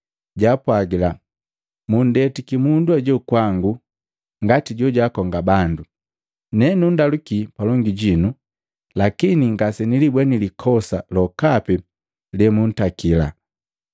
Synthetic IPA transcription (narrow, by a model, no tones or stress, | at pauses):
ɟaːpwaɡila | mun̩dɛtikimunduɛɟɔkwaŋɡu | ŋɡatiɟɔɟakɔŋɡabandu | nɛnundalukipalɔŋɡiɟinu | lakiniŋɡasɛnilibwɛnilikʰɔsalɔkapɛ | lɛmun̩takila̰